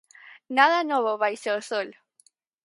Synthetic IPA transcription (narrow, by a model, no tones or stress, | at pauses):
naðanoβoβajseosol